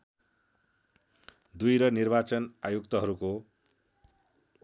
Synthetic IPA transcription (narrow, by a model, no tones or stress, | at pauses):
d̪ujɾʌnirbat͡sʌnajukt̪ʌɦʌɾuko